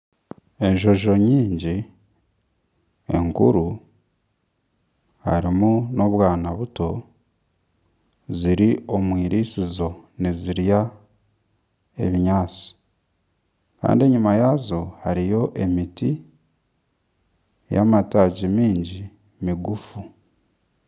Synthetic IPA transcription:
e̞ɲʒo̞ʒo̞ɲiːɲɟi | e̞̰ŋkṵɾu | ha̰ɾimuno̞βwaːnaβuto̞ | ziɾio̞mwiːɾʔisizo̞niziɾja | e̞̰βiɲaːt͡si̥ | ka̰ːndie̞ɲumajaːzo̞haɾijo̞ʔe̞miti | ja̰mataɟimiːɲɟi | miɡufu

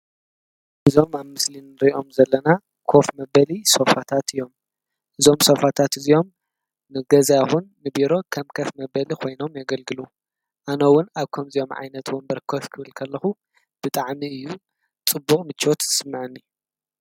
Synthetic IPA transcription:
ʔɨzo̞maβmɨslinɨɾiʔo̞mzɐlːɐna | kʰo̞fmɐbɐliso̞fat̪ʰat̪ʰɨjo̞m | ʔɨzo̞mso̞fat̪ʰat̪ɨzio̞m | nɨɡɐzjaxunːɨbiɾo̞kʰɐmkʰɐfmɐbɐlikʰo̞jno̞mjaɡɐlɡɨlu | ʔanɐwːʊnaβkʰɐmzijo̞mʕa̰jnɐt̪wʊnbɐɾkʰofkʰɨβɨlkʰɐlːɐxu | b̥ɨt̪ʼaʕmiɨjːu | t͡sʼɨbːuqʼmɨt͡ʃːot̪ɨsɨmːɨʕɨnːi

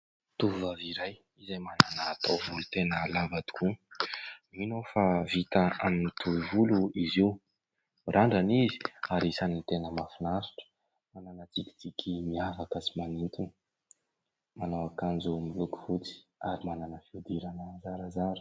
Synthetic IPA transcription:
t̪uvuvaviɾaj | izajmananaːt̪ʰawvulut̪enəlabad̪i̥ku | minofavit̪aa̰minit̪ʰuvivuluiziw | rʔaɳɖ͡ʐanizi̥aɾisanint̪enəmafinasu̥ʈ͡ʂə̥ | mananət͡siki̥t͡sikʲʰimiavakəsimanint̪unə̥ | manawakand͡zumiluku̥vut͡si̥aɾimananəfiud̪iɾanəzaɾazaɾə̥

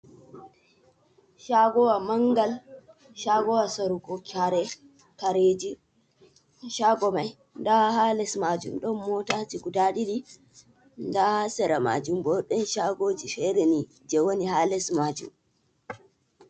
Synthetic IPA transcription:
ʃaɡɔwamaŋɡal | ʃaɡɔwasaɾuɡɔkʰaɾɛ | kaɾed͡ʒi | ʃaɡɔmaj | ndahalɛsmad͡ʒṵmɗɔnmɔtatiɡudaɗiɗi | ndasɛɾama̰d͡ʒumbɔɗɛnʃaɡod͡ʒifɛɾɛni | d͡ʒɛwonihalɛsmad͡ʒṵm

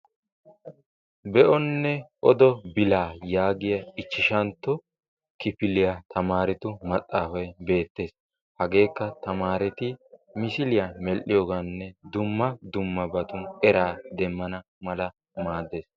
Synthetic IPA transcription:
bɛʔɔnːɛʔɔd̪ɔbɪlaːjaːɡɪjɐɪt͡ʃːɪʃɐnt̪ːɔ | kɪpɪlɪjat̪ʰɐmaːɾɪt̪ʊmɐt̪ʼːaːfɐjbe̞ːt̪ːe̞ːs | hɐɡe̞ːkːɐt̪ɐmaːɾɛt̪ɪmɪsɪlɪjɐmɛlʔɪjoːɡanːɛd̪ʊmːɐd̪ʊmːɐbɐt̪ʊnɛɾaːd̪ɛmːɐnɐ | mɐlɐ | maːd̪ːe̞ːs

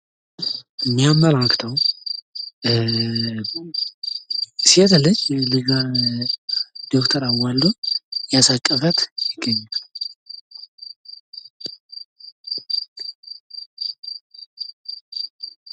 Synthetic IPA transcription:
mːijaməlakt̪ʰəw | siɛt̪ʰlːɨd͡ʒlɨɡa | d̪̥okt̪ʰəɾawald̪ojasakʼːəfət̪jɪɡːəɲːaal

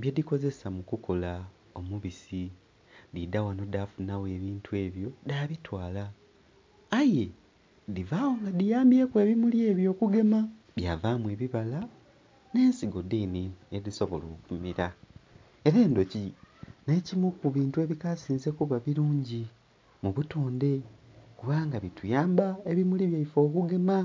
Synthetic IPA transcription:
bjediko̞ze̞samukuko̞la | o̞muβisi | didawano̞dafunawe̞βiːntue̞ːβjo̞daːβitwaːlaː | je̞ | divaːwoŋɡadijaːmbje̞ːkwe̞ːβimulje̞ːβjo̞ːkuɡe̞ma | bjaːvaːmweːβiβala | ne̞ːnsiɡo̞denineðiso̞βo̞̰lo̞̰ːkummiɾa | e̞ɾeːndo̞cine̞ːcimukuβiːntue̞βikasiːnze̞kuβaβiɾuːɲɟi | muβutoːnde̞kuβaːŋɡaβitujaːmbaeβimuliβjaifo̞ːkuɡe̞ma

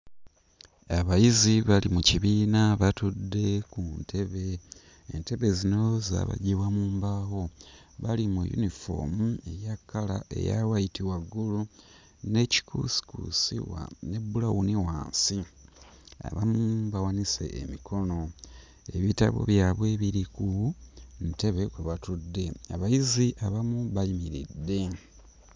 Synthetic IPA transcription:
aβajiziβalimuciβiːnaβatudːe̞kuntʰe̞βe̞ː | nte̞βe̞zino̞za̰βa̰ɟiwamuːmbaho̞ | βalimujṵnifo̞̰mue̞jakːala̰ʔe̞̰ja̰wajitiwaɡːulu | ne̞ci̥kʰṵsi̥kṵsḭwa̰ne̞bulawuniwa̰ːnsi | a̰βamumbawanise̞̰ʔːmikʰo̞no̞ | eβita̰βo̞̰βjaːβwe̞ːβiɾikunte̞βe̞kweβatudːe̞aβajiziʔaβamuβajimiɾḭdːe̞

